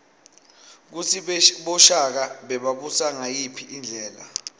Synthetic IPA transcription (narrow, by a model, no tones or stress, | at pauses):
k̬usʰiɓɔʃak̬aɓɛɓaɓusaŋajipʰiʔind͡ɮʱɛːla̰